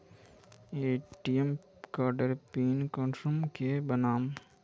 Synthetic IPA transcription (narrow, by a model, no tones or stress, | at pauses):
eːʈiem | kaːɾɖəɾpiːnkɔ̃ːnsɾumkebənaːm